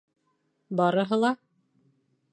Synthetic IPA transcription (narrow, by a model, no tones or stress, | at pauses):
bɑɾɤ̆ɦɤlˠɑ